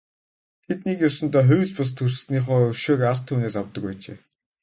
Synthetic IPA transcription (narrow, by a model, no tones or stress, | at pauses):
t̪ʰet̪nekjawsə̆nt̪ɔːχʊjɮpas̬t̪ʰɵrsniːχoːɵʃeːkaɮt̪ʰːuːneːsawt̪ə̆kpæːt͡ɕḛː